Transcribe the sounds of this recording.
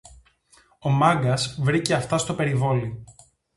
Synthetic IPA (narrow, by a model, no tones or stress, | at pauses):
o̞mɐŋɡɐsvɾice̞ɐft̪ɐst̪o̞pe̞ɾivo̞li